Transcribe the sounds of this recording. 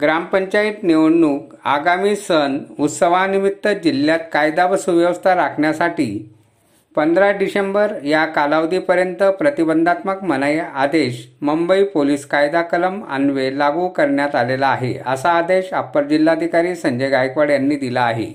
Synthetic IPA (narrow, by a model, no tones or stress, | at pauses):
ɡɾampəɲt͡ɕait̪neʋɳːuːk | a̰ɡamiːsənut̪səʋ̤animit̪ːəd͡ʑiljat̪kajd̪aʋəsuʋjəʋəst̪ʰaɾakʰɳjasaʈiː | pənd̪ɾaɖisembəɾjakalaʋd̪iːpəɾjənt̪əpɾət̪ibənd̪ʱat̪məkmənəjad̪eɕməmbəipoliːskajd̪akələma̰nʋelaɡukəɾɳjat̪alelaːɦḛə̰saːd̪eɕapːəɾd͡ʑilːad̪ʱikaɾiːsəɲd͡ʑejɡajkʋaɽjanːiːd̪ilaːɦḛ